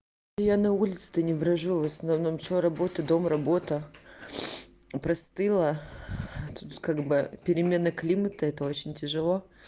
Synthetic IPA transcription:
janɐulʲɪt̪sɨ̥t̪ənʲɪbɾɐʐuvəsnɐvno̞mt͡ɕɪoɾɐbo̞t̪əd̪o̞mrɐbo̞t̪ə | pɾɐst̪ɨlˠə | t̪ut̪kaɡbɨpʲɪɾʲɪmʲe̞nəklʲimət̪əɛt̪əo̞t͡ɕɪnʲtʲɪʐɨlˠo̞

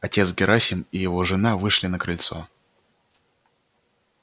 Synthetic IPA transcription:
ɐtʲe̞t̪sɡʲɪɾʔasʲɪnɪjɪvo̞ʐɨnavɨʂlʲɪnəkɾɨlʲt̪so

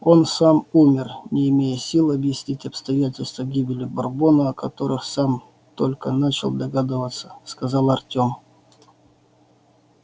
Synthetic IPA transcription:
o̞nsamumʲɪrnʲɪɪmʲejəsʲilˠəɐbjɪsʲnʲitʲɐpst̪ɐjætʲɪlʲst̪vəɡʲibʲɪlʲɪbɐrbo̞nəɐkɐt̪o̞ɾɨxsam | t̪olʲkənat͡ɕɪ̰lˠd̪ɐɡad̪ɨvət̪sə̥skɐzɑlˠɐrtʲo̞m

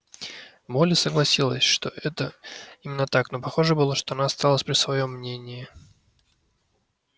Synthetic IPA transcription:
molʲɪsəɡlˠɐsʲilˠəsʲʂt̪o̞ʔɛt̪əimʲɪnːət̪akno̞pɐxo̞ʐəbɨlˠəʂt̪o̞ɐnaːst̪alˠəsʲpɾʲɪsvɐjo̞mːnʲenʲɪɪ

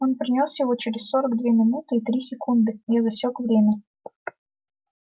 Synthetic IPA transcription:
o̞npɾʲɪnʲo̞sjɪvo̞t͡ɕɪɾʲɪsʲso̞ɾəɡd̪vʲemʲɪnut̪ɨit̪ɾʲisʲɪkund̪ɨjʲezɐsʲokvɾʲemʲə

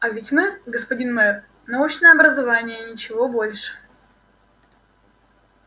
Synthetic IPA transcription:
ɐvʲɪtʲmɨɡəspɐdʲinmɐɛor | nɐut͡ɕnəjəɐbɾəzɐvanʲɪjənʲɪt͡ɕɪvo̞bo̞lʲʂɨ̥

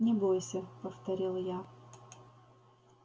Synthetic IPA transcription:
nʲɪbojsʲəpəft̪ɐɾʲilˠja

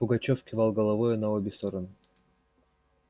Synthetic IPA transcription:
pʊɡɐt͡ɕofkʲɪvɑlˠɡəlˠɐvojʊnɐobʲɪst̪o̞ɾənɨ

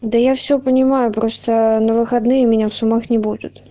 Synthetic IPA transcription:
d̪əjafsʲɵpənʲɪmajʊpɾost̪ənəvɨxɐd̪nɨjəmʲɪnʲafsʊmaxnʲɪbud̪ʲʊ̰t̪

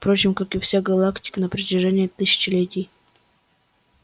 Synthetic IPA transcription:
fpɾot͡ɕɪmkakɨfsʲaɡɐlˠaktʲɪ̥kənəpɾətʲɪʐɛnʲɪət̪ɨsʲɪ̥t͡ɕɪlʲetʲɪj

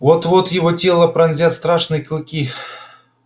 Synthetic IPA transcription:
vot̪vot̪jɪvotʲe̞lˠəpɾɐnzʲat̪st̪ɾaʂnɨjəkʲɪlˠkʲi

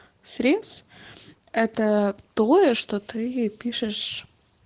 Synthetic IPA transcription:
sʲɾʲet̪s | ɛt̪ət̪oəʂt̪ot̪ɨpʲiʂɨʂ

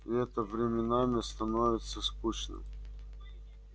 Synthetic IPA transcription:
iɛt̪əvɾʲɪmʲɪnamʲɪst̪ɐnovʲɪt̪səskut͡ɕnɨ̰m

